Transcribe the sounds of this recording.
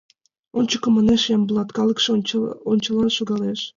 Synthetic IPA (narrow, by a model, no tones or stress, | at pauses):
ont͡ɕəkŏmɑneʃjɑmblˠɑt̪kɑlɤ̆kʃont͡ɕɤ̆lɑʃoɣɑleʃ